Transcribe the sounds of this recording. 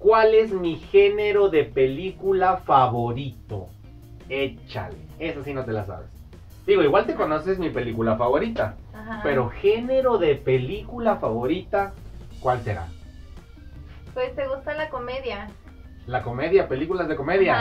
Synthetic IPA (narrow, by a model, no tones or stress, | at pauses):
kwale̞zmixe̞ne̞ɾo̞ðe̞pe̞likulafaβo̞ɾit̪o̞̰ | et͡ʃa̰lḛesasino̞t̪e̞lasa̰βḛs | d̪iɣo̞iɣwalt̪e̞ko̞no̞sezmipe̞likulafaβo̞ɾit̪ahape̞ɾo̞xe̞ne̞ɾo̞ðe̞pe̞likulafaβo̞ɾit̪akwalse̞̰ɾa̰ | pwest̪eɣust̪alakomeðja | lako̞me̞ðjape̞likulaezðeko̞me̞ðja